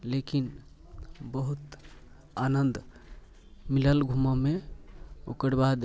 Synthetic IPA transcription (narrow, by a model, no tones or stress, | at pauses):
lekin | bəɦut̪ | anənd̪ | miləlɡʱumame | o̰kəɾbad̪